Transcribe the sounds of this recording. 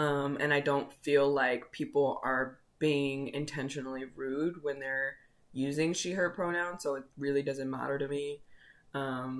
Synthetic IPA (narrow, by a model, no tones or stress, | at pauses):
ʌ̃mɨ̰̃ñaɪdõʊ̃ntfilˠaɪkpʰipl̩ˠə˞ | b̥iɪ̃ŋɪ̰̃ntʰɛ̃nʃɨnl̩ˠiɹʉd̚wə̃nðə˞ | jʉzɪ̃ŋʃiə˞pʰɹ̥oʊnãʊ̃nsoʊɨt̚ɹɪlˠidʌzɨ̃nmæ̰ɾə˞ɾɨmiʔʌ̃m